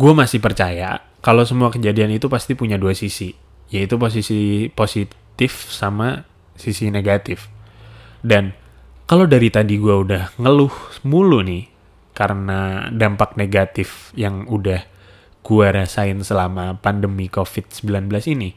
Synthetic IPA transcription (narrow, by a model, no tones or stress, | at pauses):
ɡuamasɪhpərt͡ʃaja̰ | kalowsəmuakəd͡ʒadianit̪upast̪ipuɲaduasisi | jait̪up̬os̬isiposit̪ɪfsama | sisineɡat̪ɪf | dan | kalodaɾit̪adiɡuaudahŋəlʊhmulunɪh | kaɾənadampak̚neɡat̪ɪfjaŋudah | ɡuaɾasaɪnsəlamapandəmikofɪt̪̚səmbilanbəlasini